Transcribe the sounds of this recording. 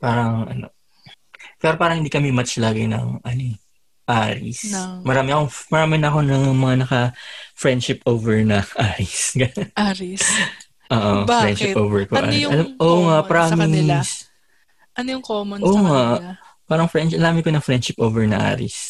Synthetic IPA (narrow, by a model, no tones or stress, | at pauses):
paːɾɐŋʔɐ̰no̰ | pɛːɾopaːɾɐŋhɪnd̪iːkɐmimɐt͡ʃlaːɡɪnɐ̰ŋʔɐno | ʔaːɾɪ̰smɐɾaːmɪkomɐɾaːmɪnɐɐko̞nɐŋmɐŋanɐkɐfɹɛnd̪ʃɪpoːvɛɹnɐʔaːɾɪsɡa | ʔoːʔoɾɛnd̪ʃɪpʔoːvɛɹkoʔɐ̰ɐlamʔoŋaʔpɐɾaːmɪs | ʔɐnojʊŋkomɐnʔoːŋapaːɾɐŋfɹɛnnɐɾaːmɪkonɐŋfɹɛnd̪ʃɪpʔoːvɛɹnɐ̰ʔa̰ːɾɪs